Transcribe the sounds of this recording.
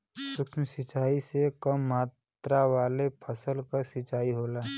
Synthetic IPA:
sʊkʃmsɪt͡ʃaːisekəmːaːt̪ɾaʋaːlepʰəsəlkasɪt͡ʃaːiɦoːlaː

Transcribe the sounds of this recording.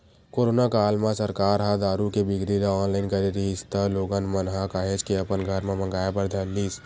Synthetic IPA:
koːɾoːnakaːlmãsɐɾkaːɾɦad̪aːɾukebɪɡɾilaɔːnlaːɪnkɐɾeɾiɦɪst̪əloːɡənmənɦakaːɦed͡ʒkeɐpənɡʱəɾmẽmɐ̃ŋɡaːjepɐɾd̪ʱəːlːiːs

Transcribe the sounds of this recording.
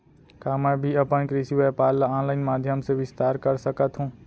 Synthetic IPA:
kaːmɛ̃ːbʱiɐpənkɾisiʋeːpaːɾlaɔ̃ːnlaːɪnmaːd̪ʱjəmseʋɪst̪aːɾkəɾsəkət̪ɦũː

